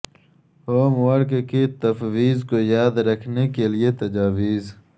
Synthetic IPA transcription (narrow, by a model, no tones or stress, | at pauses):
oːmwɐɾkkit̪ɐfwiːzkojaːd̪ɾɐkʰnekeliet̪ɐd͡ʒaːwiːz